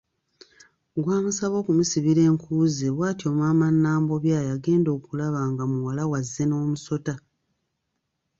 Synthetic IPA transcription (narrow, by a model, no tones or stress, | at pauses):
ɡwaːmusaβo̞ːkumusiβiɾe̞ːŋkuːzeβwaːtjo̞ːmwaːmanːaːmbo̞βjaːjaɡe̞ːndo̞ːkulaβaːŋɡamuwalawazːe̞no̞ːmuso̞ta